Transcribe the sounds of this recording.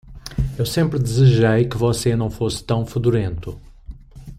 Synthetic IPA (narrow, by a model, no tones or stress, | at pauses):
ewsẽmpɾɪd̪ɪzɪʒejkɪvɔsenɐ̃w̃fosɪ̥t̪ɐ̃w̃fud̪uɾẽnt̪ʊ